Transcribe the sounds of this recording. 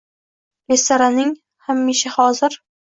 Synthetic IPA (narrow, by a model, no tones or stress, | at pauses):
lest̪aɾanɪŋ | hamːiʃahɒzɪɾ